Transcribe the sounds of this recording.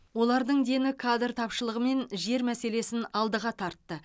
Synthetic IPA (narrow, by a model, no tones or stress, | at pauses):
wo̞lˠɑɾd̪əɴd̪e̞nɪkʰad̪rt̪ʰɑpʃəlˠəʁəme̞nʒe̞ɾmæse̞le̞sɪnɑlˠd̪əʁɑt̪ʰɑɾt̪ːə